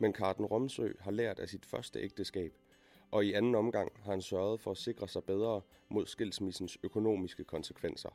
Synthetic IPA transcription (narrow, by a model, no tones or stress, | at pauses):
menkʰɑ̈d̥n̩ʁɔ̽msø̰ːɦɑ̈læɐ̰d̥æsid̥fɶɐsd̥əʔeɡ̥̚d̥əsɡ̥ɛ̰ːb̥ | ʔɒ̽iænn̩ɒ̽mɡ̥ɑ̈ŋ̰hɑ̈hænsɶɐð̞̩ˠfɒ̽æse̝ɡ̥ʁɐsɑ̈ɪb̥eð̞ˠʁɐː | mʔo̝ð̞̰ˠsɡ̥e̝l̰smisn̩søkʰo̝no̝̰ːmisɡ̥əkʰɒ̽nsə̥kʰʋen̰sɐ̰